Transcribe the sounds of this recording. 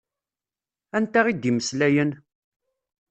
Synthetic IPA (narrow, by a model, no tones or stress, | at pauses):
ænt̪æʁid̪iməslæjən